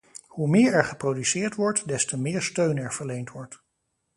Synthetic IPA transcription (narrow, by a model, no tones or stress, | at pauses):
humɪːɹɛɹχəprowdysɪːɹtʋɔɹtdɛstəmɪːɹstøɥnɛɹv̥əɹlejntʋɔɹt